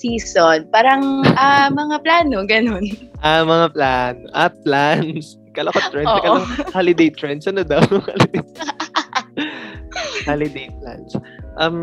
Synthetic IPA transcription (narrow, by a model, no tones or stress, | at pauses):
siːsonpaːɾɐŋʔamɐŋaplaːno̞ɡɐno̞nʔamɐŋaplaːnoʔɐplans | kɐlɐkot̪ɹɛnːkɐɐhalɪd̪ejt̪ɹɛnt̪sʔɐnod̪ɐwha̰lɪd̪ɛj | halɪd̪ejpla̰nsʔɐm